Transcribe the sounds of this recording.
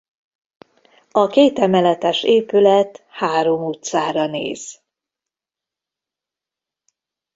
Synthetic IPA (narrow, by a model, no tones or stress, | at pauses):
ɒkeːt̪ɛmɛlɛt̪ɛʃeːpylɛt̪haːɾo̞muːt̪saːɾɒnḛːz̥